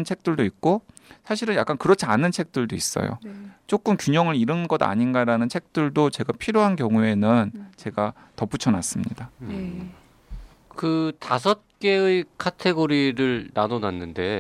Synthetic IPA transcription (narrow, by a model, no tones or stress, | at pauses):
nt͡ɕʰe̞k̚t͈ɯɭdoik̚k͈osʰaɕʰiɾɯnjak͈ankɯɾʌt͡ɕʰianːɯnt͡ɕʰe̞k̚t͈ɯɭdois͈ʌ̰jo̰t͡ɕ͈ok͈ɯmkjuɲʌŋɯɾiɾɯnɡʌda̰ɲinɡaɾanɯnt͡ɕʰe̞k̚t͈ɯɭdot͡ɕe̞ɡapʰiɾjoɦankjʌŋue̞nɯnt͡ɕe̞ɡa | tʌp͈ut͡ɕʰʌnas͈ɯmɲḭda | kɯtasʰʌt̚k͈e̞ɯikʰatʰe̞ɡoɾiɾɯɭnanonanːɯnde̞